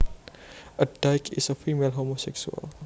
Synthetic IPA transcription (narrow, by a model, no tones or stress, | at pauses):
ɐd̪ajkisɐfʰimelɦomoseksua̰l